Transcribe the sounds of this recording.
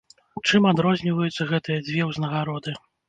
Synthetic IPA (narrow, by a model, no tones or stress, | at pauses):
t͡ʂɨmad̪ɾɔzʲnʲivɐjut̪sːɐɣɛt̪ɨjɐd͡zʲvʲjɛwznɐɣaɾɔd̪ɨ